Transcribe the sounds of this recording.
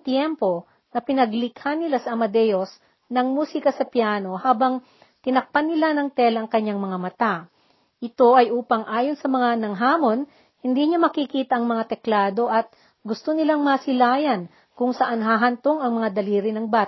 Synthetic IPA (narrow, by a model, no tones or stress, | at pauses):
t̪jɛmpo̞ | nɐpɪnɐɡlɪkhɐnːɪlasɐʔɐmɐd̪ɛjos | nɐŋmuːsɪkɐsɐpjaːno̞haːbɐŋ | t̪ɪnɐk̚pɐnːɪlanɐŋt̪ɛlʔɐŋkɐɲːaŋmɐŋamɐt̪a | ʔɪt̪o̞ʔɐjʔuːpɐŋʔaːjo̞nsɐmɐŋanɐŋɦaːmo̞n | hɪnd̪iɲamɐkikiːt̪ɐʔɐŋmɐŋat̪ɛklaːd̪o̞ʔɐt̪̚ | ɡʊst̪onɪlaŋmɐsɪlaːjɐn | kʊŋsɐʔanɦaɦɐnt̪oŋɐŋmɐŋad̪ɐliːɾɪnɐŋba